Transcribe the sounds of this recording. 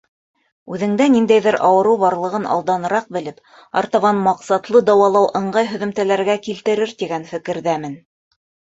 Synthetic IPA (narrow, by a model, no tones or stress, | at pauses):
ʉðɘ̆ŋd̪ænind̪æjðɘɾʔɑwɤ̆ɾɤwβɑɾlˠɤ̆ʁɤnɑ̰lˠd̪ɑnɤ̆ɾɑq̚bɘ̆lɘp | ɑ̰ɾt̪ɑβɑnmɑqsɑt̪lˠɤd̪ɑwɑlˠɑwʔɤ̆ɴɢɑjɦɵ̆ðɵ̆mt̪ælæɾɡækilt̪ɘ̆ɾɘɾt̪iɡænfɘ̆kɘ̆ɾðæmɘn